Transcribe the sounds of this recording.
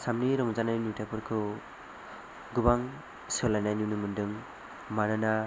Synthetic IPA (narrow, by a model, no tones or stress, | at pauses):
samniɾɔŋzanajinutapʰɯɾkʰɯ | ɡubaŋ | sɔlːajnajnunɯmɯndɯŋ | manɯna